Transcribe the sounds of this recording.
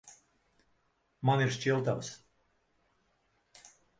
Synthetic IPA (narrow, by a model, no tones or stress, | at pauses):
maniɾʃʲt͡ʃʲilˠt̪aws